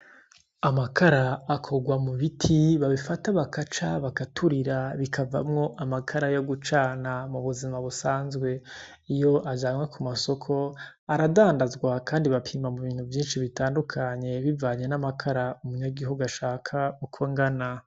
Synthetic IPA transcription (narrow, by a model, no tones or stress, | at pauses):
amakʰaɾaːkʰo̞ɡwamuβitʰiβaβifataβakʰat͡ʃaβakatʰuɾiɾaβikʰava̰mŋo̞ʔamakʰaɾajo̞ɡut͡ʃaːnamuβuzimaβusaːnzɡwe̞ | ijo̞ʔad͡ʒaːmwekʰumaso̞kʰo̞ | aɾadaːndazɡwakaːndiβapʰiːmamuβiːn̥huvjiːnʃiβitaːndukʰaɲe̞βivaːɲe̞namakʰaɾaumuɲaɡihuɡaʃaːkʰaukʰoŋɡana